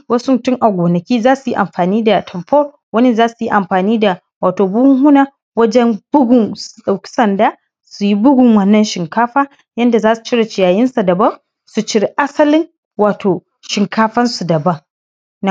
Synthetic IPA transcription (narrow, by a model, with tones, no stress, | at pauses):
wɐ˦su˦mʊ˨tʊ˦ŋʔa˨ɡʷoː˨nɐ˨kʲiː˦zaː˦su˨ji˦ʔa˨mɸaː˨niː˦da˨tʰɐ˨mɸoː˦ | wɐ˦ni˦zaː˦su˨ji˦ʔa˨mɸaː˨niː˦da˨ | waː˨toː˨bʊː˦hʊ˦ŋhʊ˦naː˨ | wɐ˦d͡ʒɛ˦mb̥ʊ˦ɡʊ˨ŋsu̥˨ɗa˨wkʲi̥˦sɐ˨ndaː˦ | su˨ji˦bʊ˦ɡʷʊ˨ŋwɐ˦nːɐ˨nʃɪ˨ŋkaː˦ɸaː˦ | jɐ˦nda˨zaː˦su̥˨t͡ʃɪ˦ɽe˨t͡ʃɪ˨jaː˨jɪ˦nsa˨dɐ˨bɐ˦ŋ | su˨t͡ʃɪ˦ɽe˨ʔa˦sɐ˦lɪ˦ŋ | waː˨tʰoː˨ | ʃɪ˨ŋkaː˦ɸɐ˦nsu˨dɐ˨bɐ˦ŋ | na˨